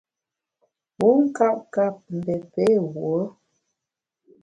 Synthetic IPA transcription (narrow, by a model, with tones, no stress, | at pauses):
pu˨˦ŋ̩˦ka˦˨p̚ka˦˨p̚m̩˨bɛ˨pe˦wwo˨˦